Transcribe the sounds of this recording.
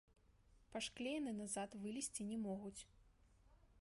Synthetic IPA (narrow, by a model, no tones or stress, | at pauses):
paʂklʲejnɨnazat̪vɨlʲisʲt͡sʲinʲɛmɔɣut͡sʲ